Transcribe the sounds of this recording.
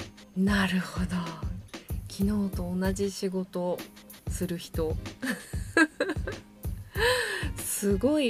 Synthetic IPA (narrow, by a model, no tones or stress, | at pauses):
naɾɯ̟ho̞d̪o̞ | kʲʰino̞ːt̪o̞ːnaʑiɕiɡo̞t̪o̞ | sɨɾɯ̟çi̥t̪o̞ | sɨɡo̞i